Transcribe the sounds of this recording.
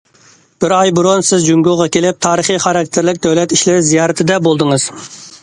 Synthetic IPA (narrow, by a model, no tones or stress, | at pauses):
b̥ɪɾɑjbuɾonsɪzd͡ʒyŋɡʲuʁɑkʲelɪp̚t̪ʰɑːɾəχiχɑɾɑk̚ʲt̪ʰɪɾlɪkʲd̪ɛwlɛt̪iʃlɪɾɪzijɑːɾɨt̪ʰɪd̪ɛbolˠd̪ɨŋɨz̥